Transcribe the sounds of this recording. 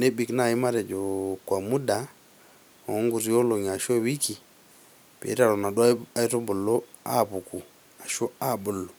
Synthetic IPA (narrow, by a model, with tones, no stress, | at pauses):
ne˦bi˨kna˦˨ji˦ma˦ɾe˨d͡ʒo˨kwa˨mu˦da˨ | o˨˦ŋɡu˨ɾi˦o˦lo˨ɲ˨a˨ʃo˦˨wi˦ki˨ | pːɾa˦˨ɾo˨na˨da˨i˦to˦bu˨lo˦ | a̰˦˨pu˨ku˨ | a˨ʃo˦a˦˨bu˨lːo˨